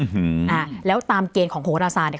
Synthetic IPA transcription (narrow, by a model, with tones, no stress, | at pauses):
hʔaː˧˩lɛː˦˥wt̪aː˧mkeː˧nkʰɔː˩˦ŋhʰoː˨˩˦ɾaː˧saː˧t̪̚n˧˨˩